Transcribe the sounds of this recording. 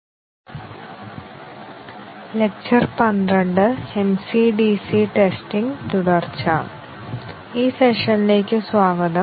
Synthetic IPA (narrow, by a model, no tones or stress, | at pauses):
lek̚t͡ɕɐrpɐnd̪ɐɳɖɨemsiɖiːsiʈesʈiŋt̪uɽɐrt͡ɕa | iːseʂɐnile̞ːkʲːɨsʋaːɡɐd̪ɐ